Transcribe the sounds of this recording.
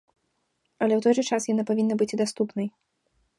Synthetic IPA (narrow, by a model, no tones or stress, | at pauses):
ɐlʲɛwt̪ɔjʐɨt͡ʂasjanapavʲinːɐbɨt͡sʲid̪ast̪upnɐj